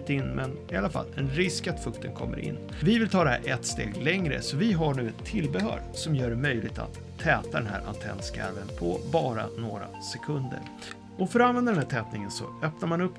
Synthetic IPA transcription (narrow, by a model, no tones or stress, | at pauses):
t̪ɪnːmɛnɪalːafa̰lːɛnɾɪskat̪fɵkt̪ʰənkʰɔ̰mːə̰ɾʔɪ̰nː | vɪvɪlt̪ʰɑːd̪ɛæ̰ɾʔɛt̪st̪ḛːɡlɛŋɾə̰sɔvɪɦaɳʉ̟ːɛt̪ʰːɪlːbɛɦœ̰ːɾsɔmjœːɖɛmœjlɪɡ̚t̪ʰa̰t̪ʰːɛːt̪ad̪ɛnɦæ̰ːɾʔant̪ʰɛ̰nːskæ̰ɾvənpʰɔbɑːɾanoːɾa̰sɛkʰɵnd̪ə̰ɾ | ɔfœɾɔanvɛnd̪adɛnæʈʰɛːt̪nɪŋənsɔ̰œpnaɾmanɵpː